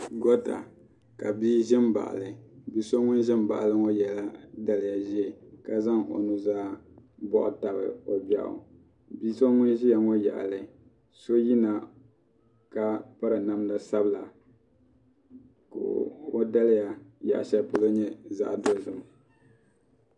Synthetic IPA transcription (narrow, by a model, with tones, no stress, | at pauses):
ɡɔ˦ta̰˨ | ka˨biː˦ʒɪ˦mba̰˨ʔa̰˨lɨ˨bi˦so˦ŋʊ˦nʒɪ˦mba̰˨ʔlɨ˦ŋo˦jɛ˨la˦da˦lɪ˨ja˨ʒi˦ɛ˨ka˦za˦ŋo̰˨nu˨zaː˦bɔ˦ʔʊ̰˨ta˨bɨ̰˨o˨bɛ̰˦ʔʊ̰˨ | biː˦so˦ŋʊ˦nʒi˦ja˨ŋo˦ja̰˨ʔlɨ˨ | so˦ji˦na˨ | ka˦pa˦ɾɨ˨na˦m˦da˦sa˦bɨ˨la˨ | ko̰˨o˦da˦lja˨ja̰˨ʔʃa˦pʊ˨lo˦ɲɛ˦za̰˦ʔdo˦˨zɨ˨m˨